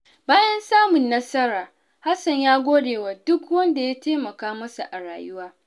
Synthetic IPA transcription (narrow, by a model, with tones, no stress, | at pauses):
baː˦jɐ˦nsaː˦mʊ˨nːɐ˦sɐ˦ɾaː˨ | ha˦sɐ˨ɲjaː˦ɡʷoː˦deː˨waː˨dʊ˦kwɐ˦nda˨ja˦teː˦mɐ˨kaː˦mɐ˦sa˨ʔa˨ɽa̰ː˨jʊ˦waː˦